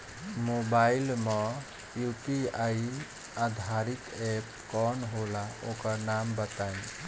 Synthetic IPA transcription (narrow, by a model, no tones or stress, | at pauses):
mobailmɔ | jupiaj | ad̪ʱaɾit̪ɛp | kɔnɦolaokəɾnambət̪ajn